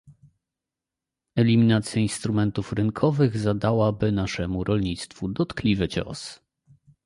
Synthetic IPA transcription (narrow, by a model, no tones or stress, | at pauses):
ɛlʲimʲinat̪sʲjainst̪ɾumɛnt̪ufɾɘnkʰɔvɘɣzad̪awabɘnaʂɛmuɾʔɔlɲit̪st̪fud̪ɔt̪klʲivɘt͡ɕɔ̰s